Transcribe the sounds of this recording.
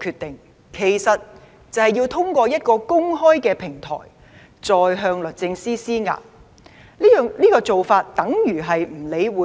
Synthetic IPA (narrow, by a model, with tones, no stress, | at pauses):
kʰyː˧t̪̚ɪ˨ŋ | kʰe˨˩jsɐ˨t̚ | t͡sɐ˨whɐ˨jːiː˧wt̪ʰʊ˥ŋkʷɔː˧jɐ˥t̚kɔː˧kʊ˥ŋɦɔː˥jkɛː˧pʰɪ˨˩ŋt̪ʰɔ̰ː˨˩j | t͡sɔː˨jɦœː˧ŋlɵ˨t̚t͡sɪ˧ŋsiː˥siː˥ŋa̰ː˨p̚ | li˥jœː˨ŋliː˥kɔː˧t͡so˨wfaː˧t̚t̪ɐ˨˥ŋjyː˨˩ɦɐ˨jm̩˨˩le˨˧jwuː˨˥